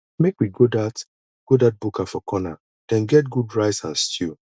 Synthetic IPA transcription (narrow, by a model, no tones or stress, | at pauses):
mekwiɡodat | ɡ̥odat̚bukafɔkʰɔna̰ | d̥ɛ̃nɡɛt̚ɡudɹaɪtsãnstʰu